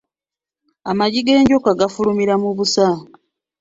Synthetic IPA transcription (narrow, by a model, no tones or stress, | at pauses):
amaɟiɡe̞ːɲɟokaɡafulumiɾamuβusa